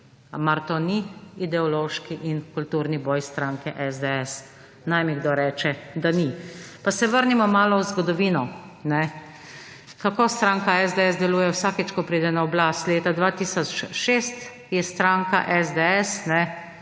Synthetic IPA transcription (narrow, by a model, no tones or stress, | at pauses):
maɾt̪oniid̪ɛɔloːʃkiʔinkult̪uɾnibɔjst̪ɾaŋkɛʔɛzd̪ɛɛs | najmiɡd̪oːɾɛːt͡ʃɛd̪anipasɛʋəɾnimɔmaːlɔwzɡɔd̪ɔʋiːnɔ | nɛ | kakoːst̪ɾaŋkaɛzd̪ɛɛzd̪ɛluːjɛwsaːkɛt͡ʃkɔpɾiːd̪ɛnaɔblaːst̪leːt̪ad̪ʋaːt̪isɔt͡ʃʃeːst̪ | jɛst̪ɾaːŋkaʔɛzd̪eɛsnɛ